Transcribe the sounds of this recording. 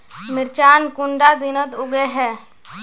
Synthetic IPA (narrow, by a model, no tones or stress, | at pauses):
mɪɾt͡ʃaːnkʊɳɖad̪ɪnət̪ʊɡeɦɛː